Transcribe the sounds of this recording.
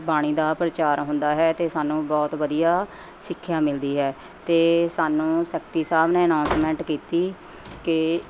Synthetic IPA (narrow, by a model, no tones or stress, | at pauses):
baːɽ̃iːd̪aːpɾət͡ʃaːɾɦʊ̃nd̪aːɦɛːt̪eːsaːnũːbɔːt̪ʋəd̪ijaː | sɪkʰːjaːmɪld̪iːɦɛː | t̪eːsaːnũːsɛːk̚ʈiːsaːbneːənãːnsmɛ̃ːɳʈkiːt̪iː | kɪ